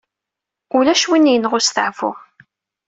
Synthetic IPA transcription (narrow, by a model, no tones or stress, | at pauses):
ʊlæʃwinːjənʁʊsθəʕvʊ̰